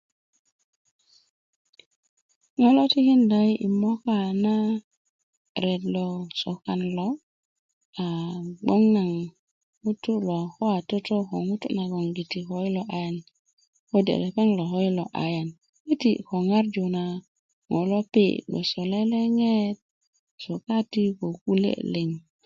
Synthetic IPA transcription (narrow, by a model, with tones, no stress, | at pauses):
ŋo˦lo˦ti˦ki˦nda˨i˦ʔḭ˨mo˦ka˦˨na˦ | ɾe˨dlo˨so˨ka˨nlo˨ | a˨ɡ͡bo˦ŋna˨ŋ | ŋu˦tːu˦lo˨xo˦a˨to˦to˦xo̰˨ŋu˦tṵ˦na˨ɡo˨ŋɡi˨ti˨ko˨˦i˦lo˨ʔa˨ja˨n | ko˦dḛ˨le˨ke˦nlo˨xo˦i˦lo˨ʔa̰˨ja˨n | ɡi˦tḭ˦˨ko˨ŋa˦ɾd͡ʒo˨na˨ | ŋo̰˨lo˦pḭ˦˨ɡ͡bo̰˨so˨le˦le˦ŋe˦t̚ | so˨ka˦ti˦ko˨ku˦lḛ˦le˨ŋ